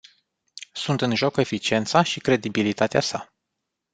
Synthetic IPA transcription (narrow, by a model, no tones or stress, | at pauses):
sunt̪ɨnʒo̞ke̞fit͡ʃie̞nt̪saʃikɾe̞d̪ibilit̪at̪easa